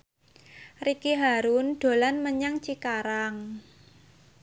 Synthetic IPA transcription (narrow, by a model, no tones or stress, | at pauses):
rikiɦaɾunɖ̥o̤lanməɲaŋt͡ʃikaɾaŋ